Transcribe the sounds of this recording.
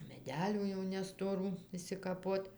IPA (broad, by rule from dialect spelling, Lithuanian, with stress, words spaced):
mʲɛˈdʲæːlʲuː jɛʊ nʲɛstoːˈruː ɪʃʲsʲɪkɐˈpoːtʲ